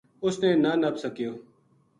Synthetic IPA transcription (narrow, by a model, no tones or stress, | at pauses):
ʊsneːnaːnəbsəkɪjoː